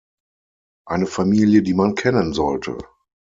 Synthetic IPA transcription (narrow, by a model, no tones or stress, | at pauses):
ʔaɪnəfamiːljədiːmankʰɛnənzɔltʰə̰